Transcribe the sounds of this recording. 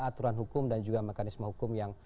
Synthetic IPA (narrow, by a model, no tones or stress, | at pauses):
at̪uɾanɦukʊmdand͡ʒuɡamekanismaɦukʊmjaŋ